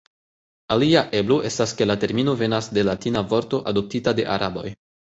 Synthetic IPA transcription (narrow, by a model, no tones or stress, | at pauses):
aliaʔe̞bloʔe̞staske̞late̞ɾmino̞ve̞nasde̞latinavo̞ɾto̞ʔado̞p̚titade̞ʔaɾʔabo̞j